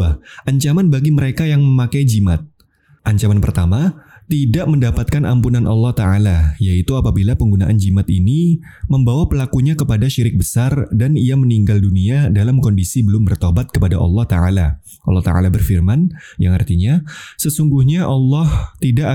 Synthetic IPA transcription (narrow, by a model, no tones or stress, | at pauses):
aʔaɲt͡ʃamanbaɡiməɾekajaŋməmakajd͡ʒimat̪̚ | ʔaɲt͡ʃamanpərt̪ama | t̪idaʔməndapat̪̚kanʔa̰mpunanʔɑ̰lːɑht̪aʕalajait̪uapabilapəŋɡunaʔand͡ʒimat̪ini | məmbawapəlakuɲakəpadaʃiɾɪk̚bəsardanijaməniŋɡalduniadalamkɔndisibəlʊmbərt̪obat̪̚kəpadaʔɑ̰lːɑht̪aʕa̰la | ʔɑlːɑht̪a̰a̰labərfirmanjaŋa̰rt̪iɲasəsuŋɡuhɲaʔɑlːɑht̪idaʔ